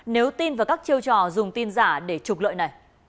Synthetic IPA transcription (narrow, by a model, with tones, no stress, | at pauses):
ne˨˦wt̪i˧nvaː˨˩kaː˦˥k̚t͡ɕi˧əwt͡ɕɔ̰˧˨˩zʊ˨˩ŋ͡mt̪i˧nzaː˧˩ɗe˧˩t͡ɕʊ˨˩k͡p̚lə̰ː˧˨jna˨˩j